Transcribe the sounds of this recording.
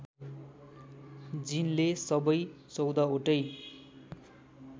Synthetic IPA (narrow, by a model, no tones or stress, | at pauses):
d͡zinlesʌbʌjt͡sʌwd̪aoʈʌj